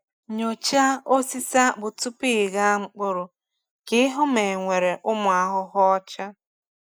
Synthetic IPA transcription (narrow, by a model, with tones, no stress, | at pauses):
ɲo˨t͡ʃa˦o˦si˦sa˦bʊ˨tʊ˦pi˦˨ɣa˦ŋ͡m̩˦k͡pʊ˦ɾʊ˨ | kɪ˦ɦʊ˦me˨ŋʷe˨ɾe˨ʔʊ˦mʊ˨a˨ɦʊ˦ɦɔ˦t͡ʃa˦